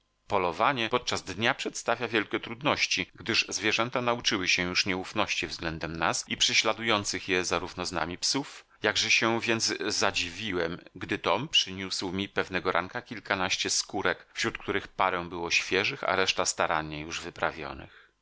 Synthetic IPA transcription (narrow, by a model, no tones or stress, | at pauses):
pɔlɔvaɲɛpɔt̪̚t͡ʂazd̪ɲapʂɛt̪st̪avʲjavʲjɛlkʲɛt̪ɾud̪nɔɕt͡ɕiɡd̪ɘʐzvʲjɛʐɛnt̪anaut͡ʂɘwɘɕɛjuʂɲɛufnɔɕt͡ɕivzɡlɛnd̪ɛmna̰sipʂɛɕlad̪ujɔnt̪sɘxjɛzaɾuvnɔzna̰mʲipsuf | jaɡʐɛɕɛvʲjɛnd̪zzad͡ʑivʲiwɛmɡd̪ɘt̪ɔmpʂɘɲuswmʲipɛvnɛɡɔɾʔa̰ŋkakʲilkanaɕt͡ɕɛskuɾɛkfɕɾut̪kt̪uɾɘxpaɾɛw̃bɘwɔɕfʲjɛʐɘxa̰ɾɛʂt̪ast̪aɾaɲːɛjuʐvɘpɾavʲjɔ̰nɘ̰x